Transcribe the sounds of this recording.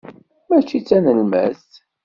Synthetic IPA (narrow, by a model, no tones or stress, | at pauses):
mæt͡ʃːit͡sːænəlmæ̰z